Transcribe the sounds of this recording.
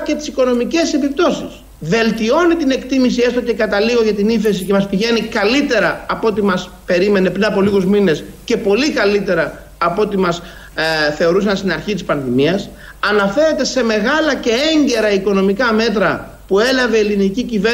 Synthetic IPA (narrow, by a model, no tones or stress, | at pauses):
ce̞t̪i̥siko̞no̞mice̞se̞pip̚t̪o̞sis | ve̞lt̪io̞nit̪ine̞kt̪imis̬ie̞st̪oce̞kɐt̪ɐliɣo̞ʝɐt̪iniθe̞sice̞mɐspiʝe̞nikɐlit̪e̞ɾɐːpot̪imɐs | pe̞ɾime̞ne̞pɾinɐpo̞liɣuzmine̞sce̞po̞likɐlit̪e̞ɾɐː | pot̪imɐs | θe̞o̞ɾusɐnst̪inɐɾçit̪ispɐnðimiɐs | ɐnɐfe̞ɾe̞t̪e̞se̞me̞ɣɐlɐce̞eɲɟe̞ɾɐiko̞no̞mikɐme̞t̪ɾɐ | pue̞lɐve̞ːlinicicive